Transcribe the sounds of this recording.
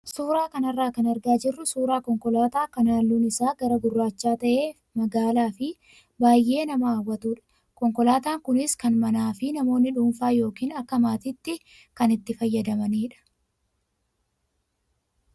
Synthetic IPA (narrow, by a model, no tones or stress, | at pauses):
suːɾaːkɐnɐrːaːkɐnɐɾɡaːd͡ʒɪrːʊsuːɾaːkɔŋkɔlaːt̪aːkɐnaːlːuːnɪsaːɡɐɾɐɡʊrːaːt͡ʃːaːt̪ɐʔe̞ː | mɐɡaːlaːfɪ | baːjʔe̞ːnɐmɐaːwːɐt̪uːᶑɐ̥ | kɔŋkɔlaːt̪aːŋkʊnɪskɐnmɐnaːfɪnɐmo̞ːnːɪᶑuːnfaːjo̞ːkiːnɐkːɐmaːt̪ɪːt̪ːɪ | kɐnɪt̪ːɪfɐjːɐd̪ɐmɐniːᶑɐ̥